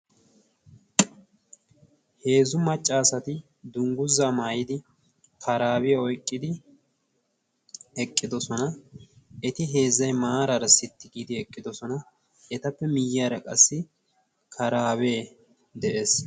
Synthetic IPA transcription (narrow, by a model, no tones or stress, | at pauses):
he̞ːzʊmɐt͡ʃʼːaːsɐt̪ɪ | d̪ʊŋɡʊzːamaːjɪd̪ɪ | kʰɐɾaːwɪjɐɔjkʼːɪd̪ɪ | hɛkʼːɪd̪ɔsɔnɐ | ɛt̪ɪɦe̞ːzːɐjmaːɾɐɾɐsɪt̪ːɪɡiːd̪ɪɛkʼːɪd̪ɔsɔnɐ | ɛt̪ɐpːɛmɪjːaːɾɐkʼɐsːɪ | kʰɐɾaːweː | d̪ɛʔeːs